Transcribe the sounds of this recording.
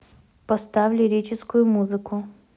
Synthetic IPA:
pɐst̪avʲlʲɪɾʲet͡ɕɪskʊjʊmuzɨkʊ

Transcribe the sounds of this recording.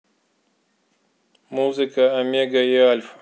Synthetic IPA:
muːzikaːmeɡajaːlf

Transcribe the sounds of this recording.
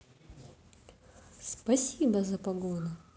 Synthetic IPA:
spɐsʲibɐzɐpaɡonʊ

